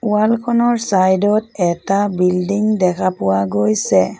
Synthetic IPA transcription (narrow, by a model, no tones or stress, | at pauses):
ualkʰɔnɔɹsajdɔtɛtabildiŋdɛkʰapuwaɡojsɛ